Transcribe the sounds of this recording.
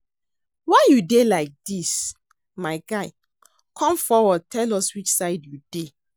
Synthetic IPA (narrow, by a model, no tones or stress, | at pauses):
waɪjudelaɪk̚d̥is | maɪɡaɪ | kʰɔ̃mfɔwɔtʰɛlɔswit͡ʃsaɪdjude